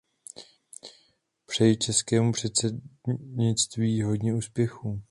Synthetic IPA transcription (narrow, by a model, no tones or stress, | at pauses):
pr̥ɛjit͡ʃɛskɛːmupr̝̥ɛt̪sɛɲɪt͡st̪viːɦo̞dɲɛuːspjɛxu